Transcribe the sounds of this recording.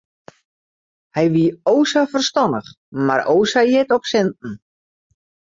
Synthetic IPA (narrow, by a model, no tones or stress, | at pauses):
hɛjʋiəoːsafərstɔnəχ | maɾoːsajɪtɔpsɛntn̩